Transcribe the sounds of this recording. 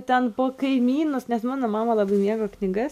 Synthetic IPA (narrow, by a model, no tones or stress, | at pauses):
t̪ʲɛnpoːkɐɪmʲiːnoːsnʲɛsmɑːnoːmɑːmɐlˠɑːbɐɪmʲiːɛɡoːknʲɪɡɐs